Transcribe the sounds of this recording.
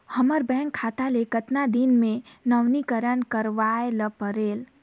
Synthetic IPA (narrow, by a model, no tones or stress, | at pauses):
həməɾbɛ̃ːŋkʰːaːt̪alekət̪nad̪inmẽnəwnikəɾənkəɾʋaeləpəɾeːl